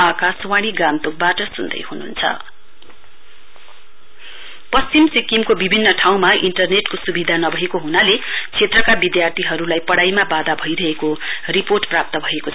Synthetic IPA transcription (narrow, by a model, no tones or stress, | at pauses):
akaswaɽ̃iɡamt̪ok̚baʈʌsund̪ʌ̰jhununt͡sʰʌ̰ | pʌst͡simsikimkobibʱinːʌʈʰaw̃maʔiɳʈʌrneʈkosubid̪ʱanʌbʱʌɦekoɦunalet͡sʰet̪rʌkabid̪jart̪ʰiɦʌɾulajpʌɽajmabad̪abʱʌjɾʌɦekoriporʈprap̚t̪ʌbʱʌekot͡sʰ